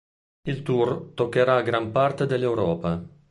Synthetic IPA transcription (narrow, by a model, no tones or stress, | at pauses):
ilt̪urt̪okːeɾaɡɾampart̪ed̪elːewɾɔːpa